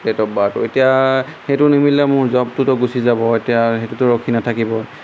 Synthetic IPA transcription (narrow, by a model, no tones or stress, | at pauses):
dɛtɔbatʊ̰etijaxetʊnimilːɔjmʊɹzɔb̚tʊtʊɡusizabɔetijaxetutʊɹɔkʰinatʰakibɔ